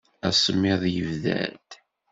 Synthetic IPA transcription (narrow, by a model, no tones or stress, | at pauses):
æsˤəmːɪðˤjəvðæ̰ld̪